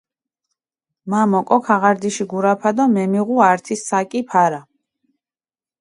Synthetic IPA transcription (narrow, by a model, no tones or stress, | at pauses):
mamɔkʼɔkʰaʁaɾd̪iʃiɡuɾapʰad̪ɔmɛmiʁuaɾt̪ʰisːakʼipʰaɾa